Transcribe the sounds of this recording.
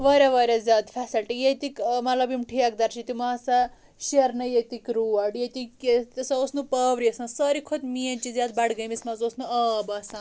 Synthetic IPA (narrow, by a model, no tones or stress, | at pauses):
ʋɐɾʲjaʋɐɾʲjazʲjaːd̪fʰɛsɐlʈijet̪ikmɐlɐbimʈʰiɐk̚d̪ɐɾt͡ʃʰit̪imaːsa | ʃɐɾnɐjet̪ikɾuɐɖjet̪iket̪ɐsɐosnupɐːʋɾiɐsãsɐɾikʰod̪miɐnt͡ʃizʲjaːd̪bɐɽɡɐjmismɐzosnuɐbɐsã